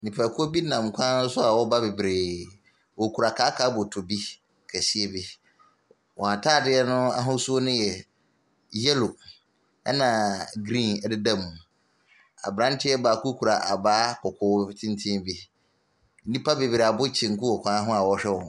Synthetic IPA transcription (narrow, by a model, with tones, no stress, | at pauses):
nĩ˨pʰa˨kʰʊ˦o˦bi˦nã˨m˨kʷʰã˦nʊ̃˦sʊ˦a˨wɔ˦ba˦be˨bɾeː˨ | wɔ˨kʰu˨ɾa˨kʰaː˦kʰaː˨˦bʊ˨tʰʊ˨bi˦ | kʰæ˨si˦e˦bi˦ | wɔ˨a˨tʰaː˦˨dɪ˦ɛ˦nʊ̃˦a̰˦ɦʊ̃˦su˦o˦nʊ̃˦jɛ˨ | jɛ˦lo˨ | ɛ˦nã˨ɡɾĩ˦˨nɛ˨dɪ˦dã˦˨mũ˨ | a̰˨bɾã˦n˦tʰɪ˦ɛ˦baː˨kʰu˦kʰu˨ɾa˨ʔa˨baː˦kʰɔ˨kʰʊ˦tʰɪ̃˦n˦tʰɪ̃˦bi˦ | nĩ˦pʰa˦be˨bɾe˨a˨bʊ˦t͡ɕʰɪ̃˨ŋ̩˨kʊ˦wɔ˨kʷʰã˦ɦʊ̃˦a˨wɔ˦ɕᶣɛ˦wɔ˨